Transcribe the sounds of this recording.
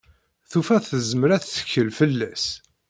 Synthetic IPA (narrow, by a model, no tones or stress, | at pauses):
θufæθəzməɾæθːə̥çːəlfəlːæs